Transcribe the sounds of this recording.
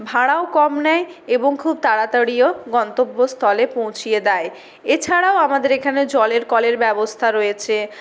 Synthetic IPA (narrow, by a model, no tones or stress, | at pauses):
bʱaɽaokɔmnɛeeboŋkʰub̚t̪aɽat̪aɽijoɡɔnt̪obːost̪ʰɔlepõw̃t͡ɕʰijed̪ɛe | et͡ɕʰaɽaoamad̪eɾekʰaned͡ʑɔleɾkɔleɾbɛbost̪ʰaɾojet͡ɕʰe